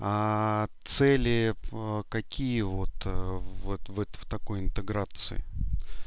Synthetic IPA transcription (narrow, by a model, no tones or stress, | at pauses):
at̪sɛlʲɪkɐkʲʰijəvot̪vɛt̪vɛt̪ft̪ɐko̞jɪnt̪ɨɡɾat̪sɨ̰ɪ̰